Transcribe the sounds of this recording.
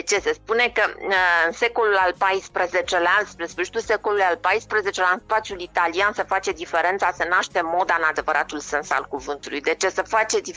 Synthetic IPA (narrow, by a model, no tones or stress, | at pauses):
t͡ʃe̞se̞spune̞kəɨnse̞ko̞lulalpajspɾeze̞t͡ʃe̞laspɾespəʃi̥t̪use̞ko̞lulujalpajspɾəze̞t͡ʃelaɨnspat̪sjulit̪aliansefat͡ʃe̞d̪ife̞ɾe̞nt̪sasənaʃt̪e̞mo̞d̪aɨnad̪e̞vəɾʔat̪ulsənsa̰lkuvɨnt̪ulṵjd̪e̞t͡ʃe̞səfat͡ʃe̞d̪i